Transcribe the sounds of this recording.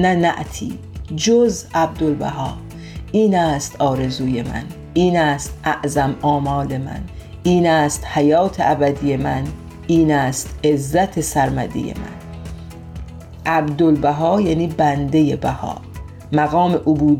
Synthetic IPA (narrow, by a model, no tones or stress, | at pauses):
nænæʔt̪ʰḭː | d͡ʒozʔæb̚d̪olbæ̰ɦɒː | ʔiːnæːst̪ɒːɾe̞zuːje̞mæ̰n | iːnæːst̪ʔæʔzæmɒːmɒːle̞mæ̰n | ʔiːnæːst̪hæjɒːt̪ʰeʔæbæd̪ije̞mæn | iːnæːst̪e̞zːæt̪ʰe̞sæɾmæd̪ḭjḛmæ̰n | ʔæbd̪olbæɦɒːjæniːbænd̪e̞jebæhɒ̰ː | mæɣɒːme̞ʔobuːd̪